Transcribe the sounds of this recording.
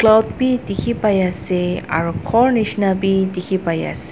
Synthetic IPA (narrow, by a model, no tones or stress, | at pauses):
klawdbidikʰipajasɛa̰ɹukʰɔɹnisnabidikʰipaja̰sɛ̥